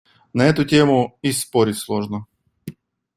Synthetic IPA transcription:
nɐɛt̪ʊtʲemʊispo̞ɾʲɪtʲslˠo̞ʐnə

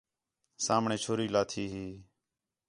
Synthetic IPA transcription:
saːmɳẽːt͡ʃʰoːɾiːlaːt̪ʰiːɦiː

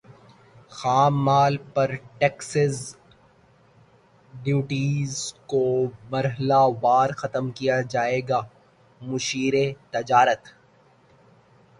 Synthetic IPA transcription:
xaːmːaːlpɐɾʈeːksəz | ɖjuːʈiːzkomɐɾɦəlaʋaːɾxɐt̪əmkijad͡ʒaːeːɡaː | mʊʃiːɾet̪ɐd͡ʒaːɾət̪

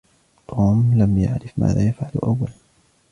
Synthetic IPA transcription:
t̪ʰoːmlamja̰ʕɾɪfma̰ːða̰ːjafʕalʊ̰ʔawːalan

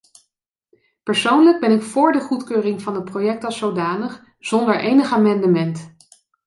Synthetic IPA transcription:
pəɹsownləɡ̚bɛnɪkfʊːɹdəχutkøːrɪŋvɑndəprowjɛk̚tɑsowdaːnəχ | z̥ɔndəɹʔejnəχaːmɛndəmɛnt

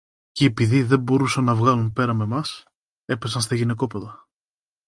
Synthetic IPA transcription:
ceːpiðiðe̞mbo̞ɾusɐnːɐvɣɐlumpe̞ɾɐme̞mɐs | e̞pe̞sɐnst̪ɐʝine̞ko̞pe̞ðɐ

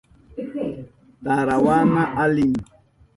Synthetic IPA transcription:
taɾawanaʔalin

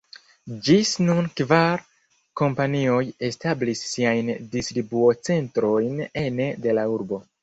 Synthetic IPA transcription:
d͡ʒisnunkvaɾ | ko̞mpanio̞je̞stablisːiajndistɾibuo̞t͡se̞ntɾo̞jne̞nede̞lauɾbo̞

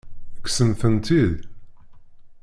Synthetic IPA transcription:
əkːsənθənt̪ið

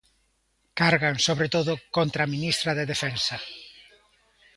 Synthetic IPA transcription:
kaɾɣaŋsoβɾet̪oðʊkont̪ɾaminist̪ɾɐðeðefɛnsɐ

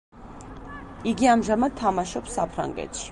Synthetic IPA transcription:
iɡiɑmʒamad̪̚t̪ʰːamaʃɔbsapʰɾa̰ŋɡɛ̰t̪ʃi̥

